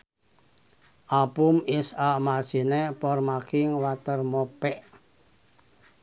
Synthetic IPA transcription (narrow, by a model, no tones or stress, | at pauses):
ʔapʊmɪsamarsi̤nepɔrmakʰɪŋwat̪ərmɔpɛʔ